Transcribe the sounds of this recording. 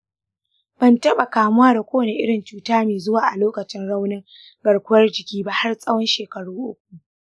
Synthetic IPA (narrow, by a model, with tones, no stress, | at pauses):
b̥ɐ˨ntɐ˦ɓa˨kaː˨mʊ˦waː˦da˨kʷoː˦wɐ˨ne˨ʔɪ˦ɽɪ˨nt͡ʃuː˦taː˦meː˨zʊ˦waː˨ʔa˨loː˦kɐ˨t͡ʃɪ˦nɽa˦wnɪ˦ŋ | ɡɐ˨ɽkʷʊ˦ɐ˦rd͡ʒɪ˨kʲiː˦ba˦ha˦rsʼɐ˦wɔ˦nʃeː˨kɐ˨ɽuː˦ʔʊ̰˦k̚ʷu˨ʔ